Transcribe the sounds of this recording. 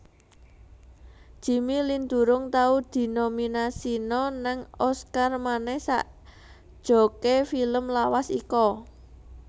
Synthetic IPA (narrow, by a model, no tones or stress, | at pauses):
ʒ̥i̤milind̪ṳɾʊŋt̪aud̪̥i̤nominasinɔnaŋɔskarmanɛhsa̰ʔ | d̥ʒ̥o̤kefiləmlawasikɔ